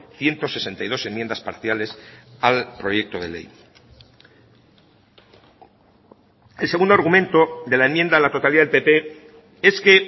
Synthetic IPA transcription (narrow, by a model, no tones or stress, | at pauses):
θje̞nt̪o̞se̞se̞nt̪ajð̞o̞se̞mjend̪aspa̰ɾθjale̞salpɾo̞je̞k̚t̪oðele̞̰j | else̞ɣund̪oaɾɣumẽ̞nt̪o̞d̪e̞laemjend̪aðelat̪o̞t̪aliaðelpe̞pe̞ | e̞ske̞